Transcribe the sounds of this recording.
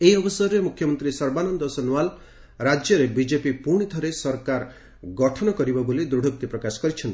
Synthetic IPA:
eiɔbɔsɔɾɾemukʰjɔmɔnt̪ɾisɔɾbanɔnd̪ɔsɔnuwal | ɾad͡ʒjɔɾebid͡ʒepipuɽ̃it̪ʰɔɾesɔɾkaɾ | ɡɔʈʰɔnɔkɔɾibɔbolid̪ɾuɽʱok̚t̪ipɾɔkasɔ̥kɔɾit͡ʃʰɔnt̪i̥

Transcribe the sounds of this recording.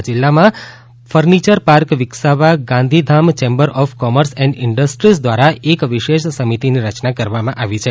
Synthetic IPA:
d͡ʒɪlːamã | fəɾnit͡ʃəɾpaɾkʋɪksaʋaɡãnd̪ʱid̪ʱamt͡ʃembəɾʔɔfkɔməɾsɛ̃ɳɖɪɳɖəsʈɾisd̪ʋaɾaekʋiʃeʃsəmit̪iniɾət͡ʃnakəɾʋamãʔaʋit͡ʃʰe

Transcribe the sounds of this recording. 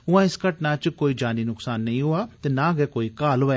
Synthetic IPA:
ʊãːɪskəʈnaːt͡ʃkoːiːd͡ʒaːniːnʊksaːnːəĩːɦoːaːt̪eːnãːɡɛːkoːiːkaːloɛː

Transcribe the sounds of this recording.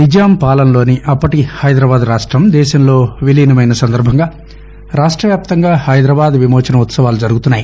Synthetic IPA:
nid͡ʒaːmpaːlɐnlo̞ːniʔɐpːɐʈihɐjd̪ɾɐːbaːd̪ɾaːʂʈɾɐmd̪ɛːʃɐmlo̞ːʋiliːnɐmɐjnɐsɐnd̪ɐɾbʱɐŋɡaː | ɾaːʂʈɾɐʋjaːp̚t̪ɐŋɡaːhɐjd̪ɾɐbaːd̪ʋimoːt͡ʃɐnɐut̪sɐʋaːlud͡ʒɐɾuɡut̪unːaːji

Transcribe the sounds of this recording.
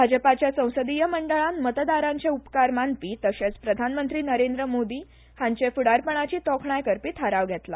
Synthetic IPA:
bʱad͡ʑəpat͡ɕjasə̃w̃səd̪ijəməɳɖəɭanmət̪d̪aɾãɲt͡ɕeupkaɾmanpiːt̪əɕẽt͡spɾəd̪ʱanmənt̪ɾiːnəɾend̪ɾəmod̪iː | hãɲt͡ɕefuɽaɾpəɳ̃at͡ɕiːt̪ɔkʰɳajkəɾpiːt̪ʰəɾaʋɡʱɛt̪la

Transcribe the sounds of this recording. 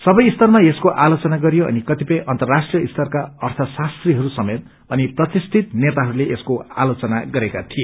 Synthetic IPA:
sʌbʌjist̪ʌrmaeskoʔalot͡sʌnaɡʌɾijoʌ̰nikʌt̪ipʌjʔʌnt̪ʌrːasʈrijʌist̪ʰʌrkaʌrt̪ʰʌsast̪riɦʌɾusʌmet̪̚ | ʌniprʌt̪ist̪ʰit̪net̪aɦʌɾuleʔeskoa̰lot͡sʌna̰ɡʌɾekat̪ʰije

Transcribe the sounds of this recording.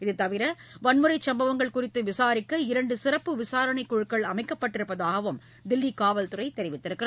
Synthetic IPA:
ɪðɯt̪ːɐʋɪɾɐ | ʋɐnmɯɾɐɪt͡ʃɐmbɐʋɐŋɡɐɭkʊrɪt̪ːɯʋɪsaːɾɪkːɐɪɾɐɳɖɯsɪrɐpːɯʋɪsaːɾɐɳɐɪkːʊɻɯkːɐɭɐmɐɪkːɐpːɐʈːɪɾɯpːɐðaːɣɐʋɯm | d̪ɪlːikaːʋɐlt̪ɯrɐɪt̪ːɛɾɪʋɪt̪ːɪɾɯkːɪɾɐ

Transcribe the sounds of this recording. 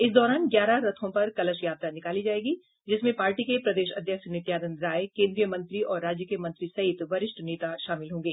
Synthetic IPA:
ɪsd̪ɔːɾaːnɡjaːɾaɾɐt̪ʰõpɐɾkɐləʃjaːb̚t̪anɪkaːlid͡ʒaːeːɡi | d͡ʒɪsmẽpaːɾʈikepɾɐd̪eːʃɐd̪ʱjəkʃnɪt̪jaːd̪ənɾaːjkẽːnd̪ɾijəmɐ̃nt̪ɾiɔːɾːaːd͡ʒjəkijəmɐ̃nt̪ɾisɐɦɪt̪ʋɐɾɪʃʈʰneːt̪aʃaːmɪlɦõːŋɡeː

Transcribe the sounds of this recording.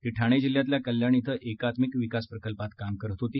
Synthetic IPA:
t̪iʈʰaɽ̃ed͡ʑil̤jat̪̬ljakəljaɳ̃it̪ʰəʔekat̪mikʋikaspɾəkəlpat̪kamkəɾɦot̪ot̪i

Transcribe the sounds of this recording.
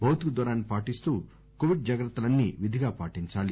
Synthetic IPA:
bʱɐwt̪ikud̪ʋɐɾaːnːipaːʈist̪uː | koːʋiɖ̚d͡ʒɐɡɾɐt̪ːɐlɐnːiʋid̪ʱiɡaːpaːʈiɲt͡ʃaːli

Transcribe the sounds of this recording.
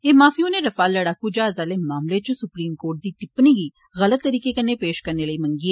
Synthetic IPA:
eːmaːfʰiːõːneɾɐfaːlːəɽaːkud͡ʒaːzaːleːmaːmlet͡ʃsʊpɾiːmkoːɾʈ̚d̪iːʈɪpniːɡiː | ɣələt̪ːəɾiːkekənːeːpeːʃkəɾneːləiːmə̃ŋɡiːɛ

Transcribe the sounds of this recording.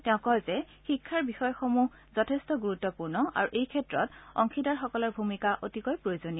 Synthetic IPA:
tɛʊ̃kɔlzɛ | xikʰːaɹbixɔjɔxomu | zɔtʰestɔɡuɹutːɔpuɹnɔa̰ɹuʔejkʰɛtɹɔtɔ̰ŋxʰidaɹxɔkɔlɔɹbʱumikaʔotikɔjpɹojozoni

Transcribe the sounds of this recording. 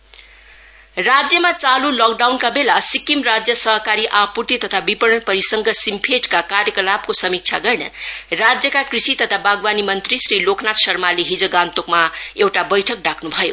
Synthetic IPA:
rad͡zjʌmat͡salulʌkɖawnkabelasikimrad͡zjʌsʌɦʌkaɾiʔapurt̪it̪ʌt̪ʰabipʌɽʌnpʌɾisʌŋɡʌsimpʰeʈkakaɾjʌkʌlab̚kosʌmik̚t͡sʰa̰ɡʌrnʌrad͡zjʌkakrisit̪ʌt̪ʰabaɡbanimʌnt̪risriloknaʈsʌrmaleɦid͡zʌɡant̪okmaewʈabʌjʈʰʌk̚ɖakʰnubʱʌjo̰

